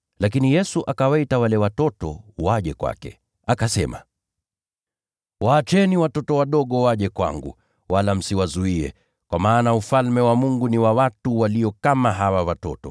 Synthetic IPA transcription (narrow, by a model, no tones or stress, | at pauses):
lak̬inijɛsuʔakawaitawalɛwatɔtɔ̰waʄɛkwa̰kɛ̰ | akasɛma̰ | waːt͡ʃɛniwatɔtɔwaɗɔɠɔwaʄɛkwa̰ŋɡṵ | walam̩siwazuiɛ̰ | kwamaːnaufalmɛwamuŋɡuniwawatuwalijɔkamaɦawawatɔ̰tɔ